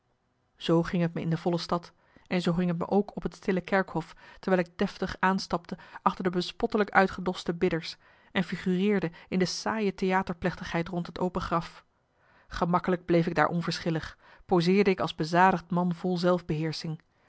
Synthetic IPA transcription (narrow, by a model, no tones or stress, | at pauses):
z̥owχɪŋɦətməɪ̰ndəv̥ɔləstɑt | ɛnzowχɪŋɦətmə̰ʔowkʰɔpɦətstɪləkɛɹkhɔftəɹɛɪlɪɡ̚dɛftəχaːnstɑp̚təʔɑχtəɹdəbəspɔtələkœ̰ɥtχədɔstəbɪdəɹs | ɛnfiχyrɪːɹdəɪndəsaːjətejaːtəɹplɛχtəχɦɛjtrɔntɦəto̰wpəχrɑf | χəmɑkələɡ̚blejfɪɡ̚da̰ːɹʔɔ̰nvəɹsχɪləχ | pozɪːɹdəɪkɑlˠzbəzaːdəχtmɑnvɔlˠzɛlˠvbəɦɪːɹsɪŋ